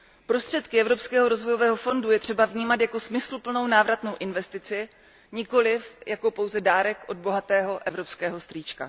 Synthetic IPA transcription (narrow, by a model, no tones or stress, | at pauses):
pɾo̞st̪r̥ɛt̪kɪɛvɾo̞pskɛːɦo̞ɾo̞zvo̞jo̞vɛːɦo̞fo̞ndujɛt̪r̥ɛbavɲiːmat̪jako̞smɪslupl̩no̞wnaːvɾat̪no̞wʔɪnvɛst̪ɪt͡sɪ | ɲɪko̞lɪfjako̞po̞wzɛdaːɾɛkʔo̞d̪̚bo̞ɦat̪ɛːɦo̞ʔɛvɾo̞pskɛːɦo̞st̪riːt͡ʃka̰